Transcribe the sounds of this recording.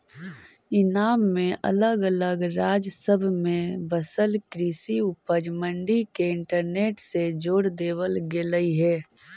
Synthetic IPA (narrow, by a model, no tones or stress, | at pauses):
ɪnaːmːẽʔɐ̰ləɡələɡɾaːd͡ʒsəbʱmẽbəsəlkɾiːsiʊpəd͡ʒmə̃ɳɖikeɪ̃ɳʈəɾneːʈsed͡ʒoːɽd̪eːwəlɡeləiɦɛː